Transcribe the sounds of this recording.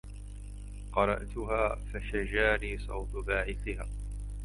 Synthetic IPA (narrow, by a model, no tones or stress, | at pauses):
qɑɾˤɑ̰ʔt̪ʊɦaːfaʃad͡ʒaːɾiːsˤɑ̰wt̪ʊbaːʕɪθɪhaː